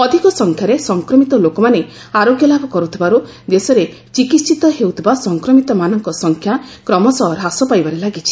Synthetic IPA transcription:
ɔd̪ʱikɔsɔŋkʰjaɾesɔŋkɾɔmit̪ɔlokɔmane | aɾoɡjɔlabʱɔkɔɾut̪ʰibaɾu | d̪esɔɾe | t͡ʃikit̪t͡ʃit̪ɔɦewt̪ʰibasɔŋkɾɔmit̪ɔmanɔŋkɔsɔŋkʰjakɾɔmɔsɔɾɦasɔpajbaɾelaɡit͡ʃʰi̥

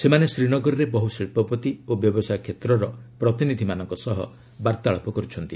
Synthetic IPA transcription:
semanesɾiñɔɡɔɾɔɾebɔɦusiɭpɔpɔt̪iobjɔbɔsajkʰet̪ɾɔɾɔpɾɔt̪inid̪ʱimanɔŋkɔsɔɦɔ̰ | baɾt̪aɭɔpɔkɔɾut͡ʃʰɔnt̪i

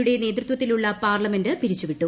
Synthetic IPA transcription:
uɽe̞ne̞ːt̪rɨt̪ʋɐt̪ːiluɭːɐpaːrlɐme̞ndɨpiɾit͡ɕːuʋiʈːu

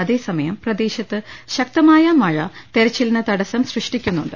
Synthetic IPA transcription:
ɐðe̞ːsɐmɐjɐmprɐd̪e̞ːɕɐt̪ːɨɕɐk̚t̪ɐmaːjɐmɐɻɐ̰t̪e̞ɾɐt͡ɕːilnːɨt̪ɐɽɐsɐmsrɨʂʈikʲːunːuɳɖɨ

